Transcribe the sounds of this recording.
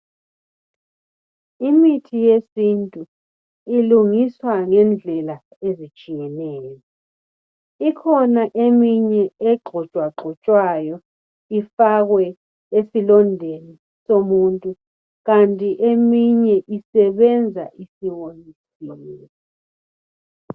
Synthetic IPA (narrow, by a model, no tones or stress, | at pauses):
imitʰijesintʼu | iluŋiswaŋɛnd͡ɮʱɛla | ezit͡ʃʼijɛnɛːjɔ | ikʰɔnaʔemiɲɛɛǃʱɔt͡ʃʼwaǃʱɔt͡ʃʼwajɔ | ifaɣwɛ | esilɔndʱeni | somuntʼu | ɣantʼiʔemiɲɛʔisɛβɛnd͡zʱa̰ʔisiŋonisi